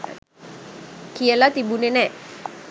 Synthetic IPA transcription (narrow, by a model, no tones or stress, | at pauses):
kiəlat̪ibunenɛ